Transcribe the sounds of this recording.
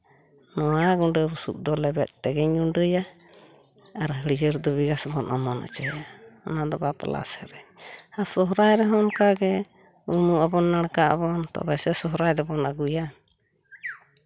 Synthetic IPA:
nɔaɡuɳɖəɾusṵp̚d̪ɔlɛbɛt̪t̪ɛɡɛɲunɖəja | aɾaɦəɾid͡ʒəɾd̪ɔβiɡasbɔnʔamɔna̰t͡ʃɔjanad̪ɔbapa̰la̰sɛɾɛɲhasɔɦɾaɛɾɛɦɔnkaɡɛ | umuabɔnːaɽakaʔabɔnt̪ɔ̰bɛsɛsɔɦɾaɛd̪ɛbɔnaɡuja

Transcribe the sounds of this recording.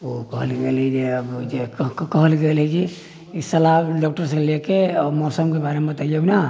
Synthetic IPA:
okəɦəlɡelɛd͡ʒeəbd͡ʒekkkəɦəlɡelɛd͡ʒi | isəlaɖɔk̚ʈəɾs̬elekemɔsəmkebaɾemebət̪aijəbna

